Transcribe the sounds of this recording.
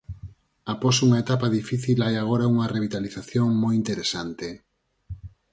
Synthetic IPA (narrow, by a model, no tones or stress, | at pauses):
apɔsuŋaet̪apaðifiθilajaɣ̞oɾauŋɐreβ̞it̪aliθaθjoŋmojint̪eɾesant̪e